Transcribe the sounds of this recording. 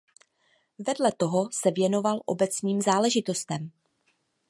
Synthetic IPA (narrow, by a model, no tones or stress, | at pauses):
vɛdlɛt̪o̞ɦo̞sɛvjɛno̞valʔo̞̰bɛt͡sniːmzaːlɛʒɪt̪o̞st̪ɛm